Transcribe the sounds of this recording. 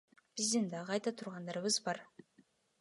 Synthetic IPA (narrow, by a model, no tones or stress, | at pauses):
b̥ɪzd̪ɪnd̪ɑqʰɑjt̪ɑt̪ʰʊɾʁɑnd̪ɑɾβɯzbɑɾ